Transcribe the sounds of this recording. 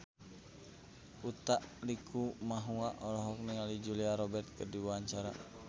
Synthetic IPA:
ut̪aʔlikʰumaɦuaʔɔlɔɦɔk̚niŋalid͡ʒuliaɾɔbɛrt̪̚kərdiwuaɲt͡ʃaɾa

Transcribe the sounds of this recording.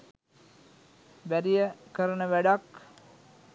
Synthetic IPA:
ʋæɾijəkəɾənəʋæɖak

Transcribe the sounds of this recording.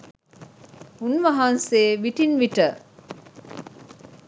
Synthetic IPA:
unʋɐɦɐnseːʋiʈinʋiʈə

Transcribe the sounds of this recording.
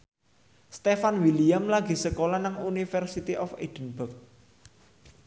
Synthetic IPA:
st̪efanwiliamlaɡ̥i̤səkolanaŋunifɛrsit̪iʔɔfed̪̥ənbək̚

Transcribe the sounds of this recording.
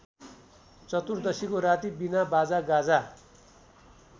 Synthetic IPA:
t͡sʌt̪urd̪ʌsikoɾat̪ibinabad͡zaɡad͡za

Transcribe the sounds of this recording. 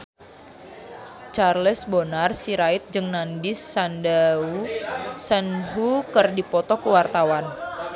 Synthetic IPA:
t͡ʃarləsbonarsiɾaɪt̪̚d͡ʒɨŋnandɪsːanda | sənɦukərdipɔt̪ɔkuwart̪awan

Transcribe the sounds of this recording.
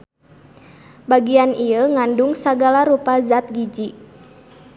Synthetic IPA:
baɡianiəŋanduŋsaɡalaɾupazat̪̚ɡid͡ʒi

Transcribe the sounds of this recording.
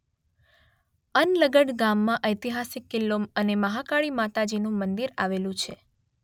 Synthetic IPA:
ənləɡəɽɡamːãʔəjt̪iɦasikːɪlːoməneməɦakaɭimat̪ad͡ʒinũmənd̪iɾaʋelũt͡ʃʰe

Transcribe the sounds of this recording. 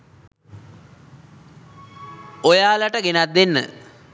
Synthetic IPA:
ojaːləʈəɡenat̪̚ːenːə̰

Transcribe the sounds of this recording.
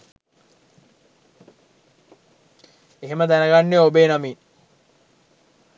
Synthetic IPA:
eɦeməd̪ænəɡanːeobeːnamiːn

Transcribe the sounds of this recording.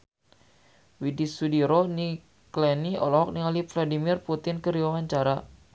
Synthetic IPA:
widisudiɾoni | klɛniɔlɔɦɔk̚niŋalifladimirput̪ɪnkəɾiwawaɲt͡ʃaɾa

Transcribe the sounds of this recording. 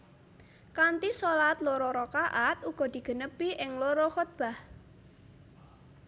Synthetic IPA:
kant̪isolat̪loɾɔɾɔkaʔat̪̚uɡ̥ɔ̤d̪̥i̤ɡ̥ə̤nəpiʔɪŋloɾɔxot̪̚b̥a̤h

